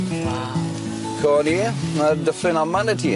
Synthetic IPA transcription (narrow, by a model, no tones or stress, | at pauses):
kʰɔninadəflɪnamanətʰiː